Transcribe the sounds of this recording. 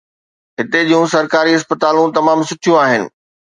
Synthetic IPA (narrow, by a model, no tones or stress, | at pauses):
ɦɪt̪eʄijũsɐɾkaːɾiɐspət̪aːlũt̪ɐmaːmsʊʈʰijũaːɦɪnɪ̰̆